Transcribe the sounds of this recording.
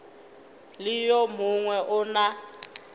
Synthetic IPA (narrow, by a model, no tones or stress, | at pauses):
lɪjɔmuŋwɛʔʊna